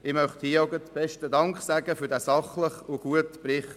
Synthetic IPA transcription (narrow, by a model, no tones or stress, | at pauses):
ɪmœχthiəoɡətb̥ɛʃtədɑŋkχsæɡəfyːɾdæːsɑχləχʊɡ̥uətpɾɪχt